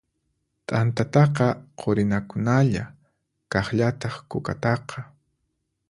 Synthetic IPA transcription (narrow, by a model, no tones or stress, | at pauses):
t̪ʼant̪at̪ɑqɑqʰoɾɪnakʊnaʎa | kɑχʎat̪ɑχkʊka̰t̪ɑqʰɑ